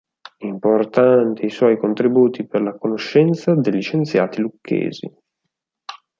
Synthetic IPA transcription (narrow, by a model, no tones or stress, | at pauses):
import̪ant̪eiswɔːjkont̪ɾibuːt̪iperlakonoʃːɛnt̪sad̪eʎːit͡ʃent̪sja̰ːt̪ilukʰːḛːzḭ